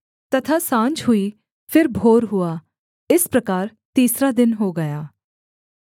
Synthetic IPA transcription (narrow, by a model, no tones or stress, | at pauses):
t̪ɐt̪ʰaːsãːɲt͡ʃɦʊiː | pʰɪɾbʱoːɾɦʊaː | ɪspɾəkaːɾ | t̪iːsɾad̪ɪnɦoːɡɐjaː